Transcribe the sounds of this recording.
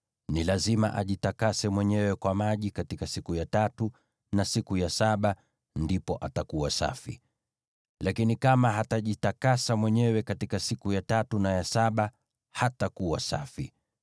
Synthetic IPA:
nilazima̰ʔaʄitakasɛmwɛɲɛwɛkwamaʄikatikasikujatatu | nasikujasaɓa | ndipɔʔatakuwasa̰fḭ | lakinikamaɦataʄitakasamwɛɲɛwɛkatikasikujatatunajasaɓa | hatakuwa̰sa̰fi

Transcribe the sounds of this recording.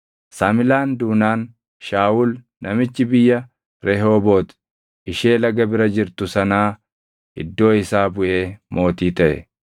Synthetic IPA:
saːmɪlaːnd̪uːnaːn | ʃaːʔʊl | nɐmɪt͡ʃːɪbɪjːɐ | ɾɛɦo̞ːbo̞ːt̪ | ɪʃeːlɐɡɐbɪɾɐd͡ʒɪɾt̪ʊsɐnaː | ɪd̪ːo̞ːɪsaːbʊʔe̞ːmo̞ːt̪iːt̪ɐʔɛ̰

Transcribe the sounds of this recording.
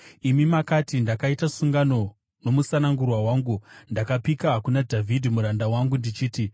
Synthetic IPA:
imimakatindakaitasuŋɡano̞ | no̞musanaŋɡurwawaːŋɡundakapikaɦakunadʱavʱidʱimuɾandawaŋɡundit͡ʃiːti

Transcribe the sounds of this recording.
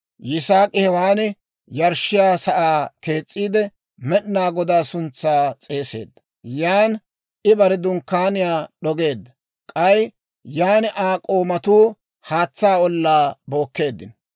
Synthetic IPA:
jɪsaːkʼɪhɛwaːnɪ | jɐɾʃɪjaːsɐʔaːke̞ːt͡sʼːiːd̪ɛ | mɛɗnaːɡɔd̪aːsʊnt͡sːaːt͡sʼe̞ːse̞̰ːd̪ːɐ̥ | jaːn | ʔɪbɐɾɛd̪ʊŋkːaːnɪjaːɗɔɡe̞ːd̪ːɐ | kʼɐj | jaːnɪʔaːkʼoːmɐt̪uː | haːt͡sːaːɔlːaːbo̞ːkːe̞ːd̪ːɪ̰n

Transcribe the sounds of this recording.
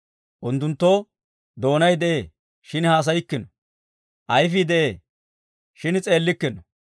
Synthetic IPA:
ʔʊnt̪ːʊnt̪ːo | d̪o̞ːnɐjd̪ɛʔeː | ʃɪnhaːs̬ɐjɪkːɪnɔ | ʔɐjfɪd̪ɛʔeː | ʃɪnt͡sʼe̞ːlːɪkːɪnɔ

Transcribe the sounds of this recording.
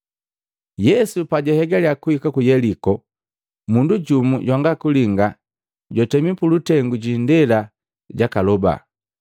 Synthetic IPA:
jɛsupaɟɛhɛɡaljakuhikakujɛlikɔ | munduɟumuɟwaŋɡakuliŋɡa | ɟɔtɛmipulutɛŋɡuɟindɛla | ɟakalɔba̰

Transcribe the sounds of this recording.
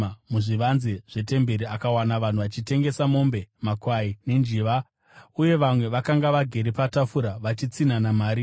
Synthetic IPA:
muʐiʋanziʐ̥e̞te̞mbe̞ɾiakawanaʋan̤uʋat͡ʃite̞ŋɡe̞samo̞mbe̞makwaine̞nd͡ʒiʋa | uje̞ʋamwe̞ʋakaŋɡaʋaɡʱe̞ɾepatafuɾaʋat͡ʃit͡sinanamaːɾi

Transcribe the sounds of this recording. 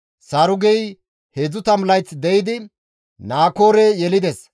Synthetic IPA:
sɐɾʊɡɛj | hed͡zʊt̪ɐmlɐjt͡sːd̪ɛjɪd̪ɪ | naːko̞ːɾɛjɛlɪd̪ɛs

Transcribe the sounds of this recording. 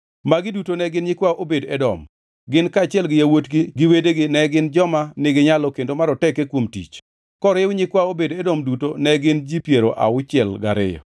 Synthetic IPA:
maɡɪdutonɛɡɪnɲɪkwaʔobedɛdɔ̰m | ɡɪnkaːt͡ʃɪɛlɡɪjawotɡiɡɪwedeɡɪnɛɡɪnd͡ʒɔmanɪɡɪɲalɔkendomaɾɔtɛkekwomtḭt͡ʃ | kɔɾɪwɲɪkwaobedɛdɔmdutonɛɡɪnd͡ʒipjeɾo̰ʔa̰ʊt͡ʃɪɛlɡa̰ɾɪ̰jɔ̰

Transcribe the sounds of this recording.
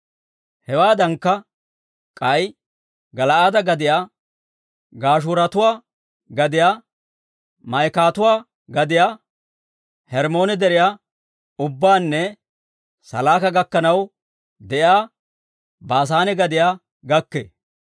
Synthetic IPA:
hɛwaːd̪ɐŋkːɐ | kʼɐj | ɡɐlɐʔaːd̪ɐɡɐd̪ɪjaː | ɡaːʃ̬ʊːɾɐt̪ʊwaː | ɡɐd̪ɪjaː | mɐjkaːt̪ʊwaː | ɡɐd̪ɪjaː | hɛɾmo̞ːnɛd̪ɛɾɪjaː | ʊbːaːnːɛ | sɐ̰laːkɐɡɐkːɐnɐw | d̪ɛʔjaː | baːs̬aːnɛɡɐd̪ɪjaː | ɡɐkːḛː

